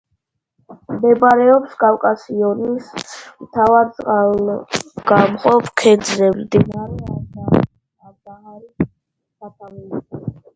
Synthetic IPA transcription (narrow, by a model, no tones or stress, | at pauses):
md̪ɛbaɾɛɔpskʼawkʼasiɔnismt̪ʰavad̪sʼqʼal | ɡ̥amqʼɔpʰkʰɛd̪zɾɛmd̪inaɾiada | aɾd̪ahaɾi | d̪at̪ʼamili